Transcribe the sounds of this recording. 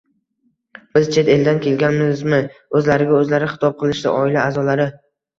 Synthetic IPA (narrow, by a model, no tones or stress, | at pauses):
b̥ɪz̥t͡ʃʰe̞t̪e̞ld̪ankʲʰe̞lɡʲanmɪzmɪɵzlaɾɪɡʲaɵzlaɾɪχɨ̥t̪ʰɒp̚qʰɨlˠɪʃd̪a̰ʔɒɪlaːzɒlaɾɪ